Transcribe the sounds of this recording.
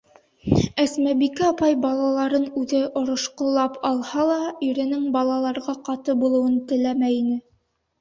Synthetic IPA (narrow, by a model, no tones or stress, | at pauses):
æsmæbikɘɑpɑjbɑlˠɑlˠɑɾɤnʉðɘʔŏɾŏʃqŏlˠɑpʰɑlˠhɑlˠɑɵ̆ɾɘ̆nɘŋbɑlˠɑlˠɑɾʁɑqɑt̪ɤbulˠɤ̆wɤnt̪ɘ̆læmæjinɘ